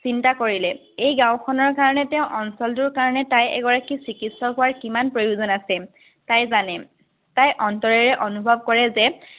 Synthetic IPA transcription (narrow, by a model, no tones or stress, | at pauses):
sintakoɹilɛ | ejɡãw̃kʰɔnɔɹkaɹɔnɛtɛʊ̃ʔɔnsɔlt̬ʊɹkaɹɔnɛtajɛ̰ɡɔɹakisikitsɔɦʊwaɹkimanpɹojuzɔnasɛ | tajzanɛ | tajʔɔntɔɹɛɹɛʔɔnubʱɔb̚kɔɹɛzɛ